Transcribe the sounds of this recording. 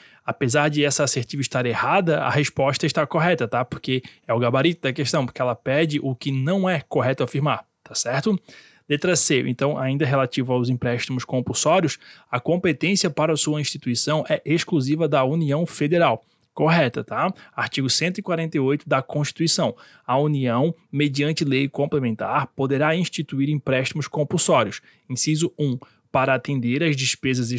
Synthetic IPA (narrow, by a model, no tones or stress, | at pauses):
apezaɾd͡ʒ̪ɪɛsɐaseɾt͡ʃ̪iviʃt̪aɾehad̪ɐɐ̰hespɔʃt̪ɐɪʃt̪akoɦɛt̪ɐt̪apoɾkeɛʊɡabaɾit̪ʊd̪ɐkeʃt̪ɐ̃w̃poɾkeɛlɐpɛd͡ʒɪʔʊkɪnɐ̃w̃ɛkoɦɛt̪ʊafiɾmaɾ | t̪asɛɾt̪ʊ | d̪̥et̪ɾasejʊ̰ḛ̃nt̪ɐ̃w̃ʔa̰ĩnd̪ɐɦelat̪ivɐawzĩpɾɛʃt̪imʊskõmpusɔɾiʊsɐkõpet̪ẽsiɐpaɾɐsuɐĩʃt̪it̪uisɐ̃w̃ʔɛʔeskluzivɐd̪ɐuniɐ̃w̃fed̪eɾaw | koɦɛt̪ɐt̪aaɾt͡ʃiɡʊsẽnt̪ʊikwaɾẽnt̪ejojt̪ʊd̪ɐkõʃt͡ʃi̥t̪uisɐ̃w̃ | ɐuniɐ̃w̃med͡ʒiɐ̃nt͡ʃɪlejkõmplemẽnt̪aɾpod̪eɾaĩʃt͡ʃit̪uiɾĩpɾɛʃt̪imʊskõpusɔɾiʊs | ĩsizʊũ | paɾɐat̪ẽnd̪eɾɐzd͡ʒispezɐz